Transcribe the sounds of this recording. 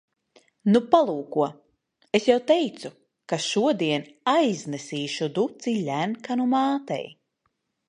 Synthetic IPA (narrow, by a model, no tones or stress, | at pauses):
nupalˠuːkuɔ | esjawt̪ɛjt̪su | kaʃuɔd̪iɛnajznesiːʃud̪ut̪silʲænkanumaːt̪ɛ̰j